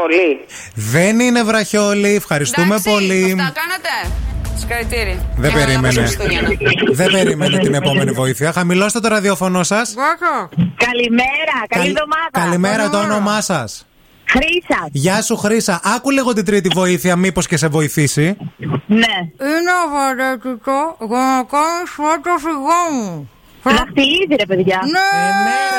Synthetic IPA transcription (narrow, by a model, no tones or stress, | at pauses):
poli | ðe̞nine̞vɾɐço̞liefxɐɾist̪ume̞po̞likɐnet̪eskɐlit̪iɾðebeɾimene | ðebe̞ɾimenet̪ine̞po̞me̞nivo̞iθiɐxɐmilost̪t̪oɾɐðio̞fo̞no̞sɐs | kɐlimeɾɐkɐliðomɐðɐkɐlime̞ɾɐt̪oonomɐsɐs | xɾisɐʝɐsuxɾisɐʔɐkuliɣo̞t̪ind̪ɾit̪ivo̞iθiɐmipo̞sce̞se̞vo̞iθisineinovoɾet̪ut̪oɣonokonusot̪ofiɣomu | fnɐxt̪iliziɾepe̞ðʝɐnene